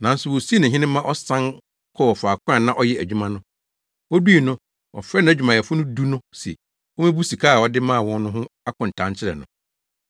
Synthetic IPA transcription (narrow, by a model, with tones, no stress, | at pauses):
nã˨˦n̩˦sʊ˨wo˨si˦nã˨ɦɪ̃˦nɪ̃˦mã˦ʔɔ˦sã˦ŋ | kʰɔ˦wɔ˨fa˨kʰʷʊ̃˦a˨nã˦ʔɔ˦jɛ˦æ˨d͡ʑᶣu˦mã˦nʊ̃˦ | ɔ˦du˦i˨nʊ̃˦ | ɔ̰˨fɾɛ˦nã˦æ˨d͡ʑᶣu˨mã˨ɛ˨fʊ˦nʊ̃˦du˦nʊ̃˦sɛ̰˨ | wɔ˦mɪ̃˦bu˦si˨kʰaː˦a˨ɔ˦dɪ˦mãː˦a˨wɔ̃˦n˦nʊ̃˦ɦʊ̃˦a˦kʰʊ̃˨n̩˨tʰã˨˦ɲt͡ɕʰɪ˦ɾɛ̰˨nʊ̃˨